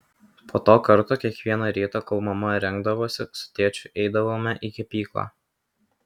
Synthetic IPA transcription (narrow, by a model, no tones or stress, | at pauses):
poːt̪oːkɐɾt̪oːkʲiɛkʋʲiɛnɐɾʲiːt̪ɐkɐlˠmɐmɐɾʲɛŋɡd̪ɐʋoːsʲɪsʊ̥t̪ʲeːt͡ʃʲʊʔɛɪd̪ɐʋoːmʲɛʔikʲɛpʲiːklˠa̰ː